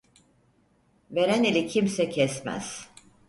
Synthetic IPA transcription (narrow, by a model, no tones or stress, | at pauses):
ve̞ɾænilʲicʰimsɛcʰɛsmæ̰z̥